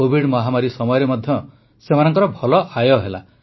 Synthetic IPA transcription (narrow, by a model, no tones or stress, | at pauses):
obʱiɽmɔɦamaɾisɔmɔjɔɾemɔd̪ʱjɔ | semanɔŋkɔɾɔbʱɔlɔʔajɔɦela̰